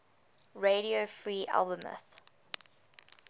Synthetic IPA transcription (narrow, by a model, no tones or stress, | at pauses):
ɹeɾiofɹiːʔa̰lˠbəmə̰θ